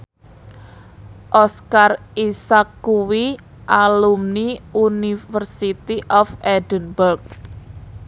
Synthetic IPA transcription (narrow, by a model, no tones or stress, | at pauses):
ʔɔskarisakːuwi | ʔalumniunifərsit̪iʔɔfɛdənbərk̚